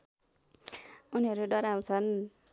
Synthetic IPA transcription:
uniɦʌɾuɖʌɾaw̃t͡sʰʌn

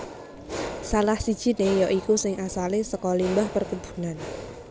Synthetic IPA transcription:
salahsid̥ʒ̥i̤nejɔʔikusɪŋasalesəkɔlimbahpərkub̥ṳ̥nan

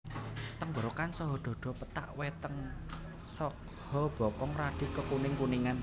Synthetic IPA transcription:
t̪əŋboɾokansɔɦɔɖ̪̥ɔ̤ɖ̪̥ɔ̤pət̪a̰ʔwet̪əŋ | sɔ | hɔb̥ɔ̤kɔŋrad̪̥i̤kəkunɪŋpuniŋan

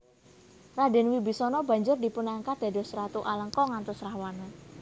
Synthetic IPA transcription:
raɖɪ̤nwibisɔnɔba̤ɲd͡ʒʊrdi̤punaŋkad̪̥a̤dɔsɾat̪uʔaləŋkɔŋant̪ʊsɾahwana

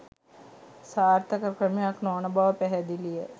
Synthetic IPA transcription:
saːrt̪əkəkrəmijaknoːnɐbaʋəpæɦɛd̪ilijə

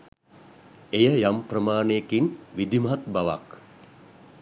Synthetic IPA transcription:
ejəjamprəmaːneekinʋid̪imaɦat̪baʋa̰k

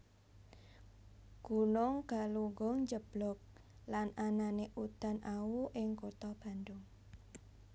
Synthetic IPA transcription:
ɡ̥ṳnʊŋɡ̥a̤luŋɡɔŋɲd͡ʒəb̥lɔ̤k̚ | lanananeʔud̪̥a̤nʔawuʔɪŋkut̪ɔb̥a̤nd̪ʊŋ

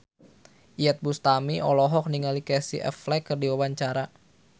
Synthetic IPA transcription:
ʔiɛt̪̚bust̪amiɔlɔɦɔk̚niŋalikɛsḭʔɛ̰flɛkərdiwawaɲt͡ʃaɾa

